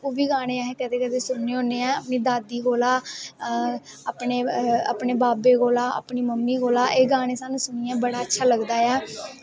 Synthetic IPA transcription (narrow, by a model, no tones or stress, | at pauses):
oːʋiːɡaːɽ̃ẽːaːɦẽːkɛːd̪eːkɛːd̪eːsʊnːeːõːneːɛ̃ːəpniːd̪aːd̪iːɡoːlaː | aːpneːa̰ːpɳeːbaːbeːɡoːlaːə̰pɳiːməmniːɡoːlaːʔeːɡaːɽ̃ẽːsaːnũːsʊniːɛ̃ːbəɽaːətːʃʰaːləɡd̪aːɛː